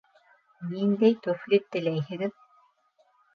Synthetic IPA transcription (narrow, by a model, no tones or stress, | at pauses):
nind̪æjt̪oflʲit̪ːɘ̆læjɦɘ̆ɡɘð